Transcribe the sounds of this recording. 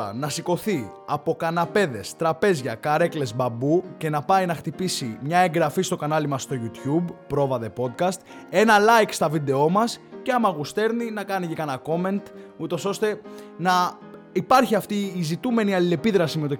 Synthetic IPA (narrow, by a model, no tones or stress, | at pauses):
ɐ̰nɐsiko̞θi | ɐpo̞kɐnɐpe̞ðe̞st̪ɾɐpe̞zʝɐkɐɾe̞kle̞zbɐbuce̞nɐpɐinɐxt̪ipisimɲɐeŋɡɾɐfist̪o̞kɐnɐlimɐsːt̪o̞ʝut̪çubpːɾo̞vɐðe̞po̞t̪̚kɐst̪e̞nɐlɐjkst̪ɐvid̪e̞o̞mɐsceɐmɐɣust̪e̞ɾninɐkɐnicekɐnɐko̞me̞nt̪ut̪o̞so̞st̪e̞nɐ | ipɐɾçiɐft̪iːzit̪ume̞niɐlile̞piðɾɐsimet̪o̞